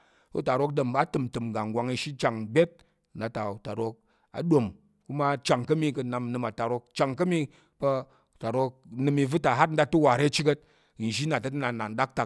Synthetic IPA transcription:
u˦ta˨ɾo˦k̚də˨mba˦tɨ˨mtɨ˨mɡa˨ŋ˨ɡʷa˧ŋi˧ʃi˦t͡ʃa˨ŋbʲe˦t̚ | n̩˦da˧ta˨u˨ta˨ɾo˧k̚ | a̰˨ɗo˨m | ku˦ma˦t͡ʃa˨ŋkɐ˦mi˦˧kɐ˧na˧m˨nɨ˧ma˨ta˨ɾo˧k̚t͡ʃa˨ŋkɐ˦mi˧ | pɐ˧˨ | ta˨ɾo˧k̚nɨ˧mi˧vɨ˦ta˨ɦa˦t̚n̩˦da˧tu˦wa˨ɾe˦t͡ʃi˦kə˦t̚ | ʒi˦na˨tɐ˦tna˨na˨n̩˦da˦k̚ta˨

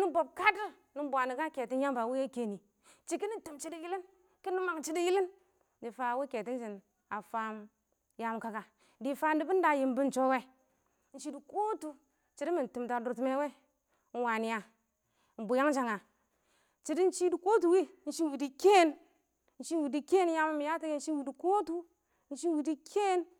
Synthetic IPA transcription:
ni˦bo˨b̚ka˦di˦ | ni˨m˦bʷa˨ni˨ka˦ke˨ti˦n˦ja˦mba˨wi˦je˦ke˨ni˨ | t͡ʃi˨ki˦ni˦ti˨mt͡ʃi˦di˦ji˦li˦n | ki˦ni˦ma˨ŋt͡ʃi˦di˦ji˦li˦n | di˨fa˧˦wi˦ke˨ti˦n˦d͡ʒi˨n | a˨fa˦m | ja˨m˦ka˦ka˨ | di˨fa˦ndi˦bi˦n˦da˦˨ji˨mbi˦n̩˨t͡ʃo˦we˦ | n̩˦t͡ʃi˦du˨ko˦tu˦ | t͡ʃi˨di˦mi˨n˨tu˨mta˨du˨ɾtme˦we˦ | n̩˦wa˨ni˨˦ja˨ | n̩˨bu˨ja˦ŋ˦d͡ʒa˨ŋa˨ | t͡ʃi˨di˦n̩˦t͡ʃi˦di˨ko˦t̬u˨wi˦n̩˦ʃi˦wi˨di˨ke˦n˦ | n̩˨t͡ʃi˦wi˨di˦ke˦n˦ja˦m˦m˨ja˦ti˦ɡe˦n̩˦i˦wi˨di˨ko˦tu˦ | n̩˦ʃi˦wi˨di˦kʰe˦n

